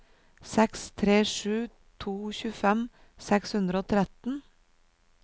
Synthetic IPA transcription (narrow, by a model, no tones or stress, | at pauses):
sɛkst̪ʰɾeːʂʉː | t̪ʰuːçʉːfɛm | sɛkshʉnd̪ɾəoːt̪ʰɾɛt̪n̩